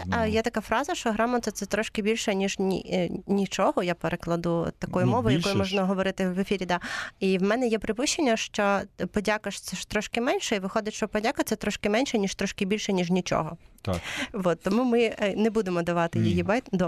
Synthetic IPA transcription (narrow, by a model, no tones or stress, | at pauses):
jɛt̪ɐkɑfɾɑzɐʃt͡ʃɔɦɾɑmɔt̪ɐt̪sɛt̪ɾɔʃkɪbʲilʲʃɛnʲiʒnʲḭnʲit͡ʃɔɦɔjapeɾeklˠɐd̪ṵt̪ɐkɔjʊmɔʋʊjjɐkɔjʊmɔʒnɐɦɔʋɔɾɪt̪ɪʋefʲiɾʲid̪ɑiwmɛnɛjɛpɾɪpuʃʲt͡ʃːenʲːɐʃt͡ʃɔpɔdʲakɐʃsɛʃt̪ɾɔʃkɪmɛnʲʃɛiʋɪxɔd̪ɪtʲʃt͡ʃɔpɔdʲakɐt̪ɛt̪ɾɔʃkɪmɛnʲʃɛnʲiʃt̪ɾɔʃkɪbʲilʲʃɛnʲiʒnʲit͡ʃɔ̰ɦɔt̪ʋɔt̪ːɔmumɪnɛbud̪emɔd̪ɐʋɑt̪ɪjijibɑjt̪d̪ɔ